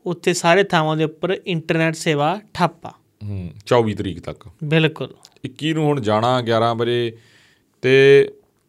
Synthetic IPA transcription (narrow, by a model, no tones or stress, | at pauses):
ʊt̪ʰːeːsaːɾeːt̪ʰaːʋãːd̪eːʊpːəɾɪɳʈəɾneːʈseːʋaːʈʰaːpːa̰ː | ɦt͡ʃɔːʋiːt̪əɾḭːkt̪ə̰kbɪlkʊlɪkːiːnũːɦʊɳd͡ʒaːɽ̃ãːɡjaːɾãːbəd͡ʒeː | t̪eː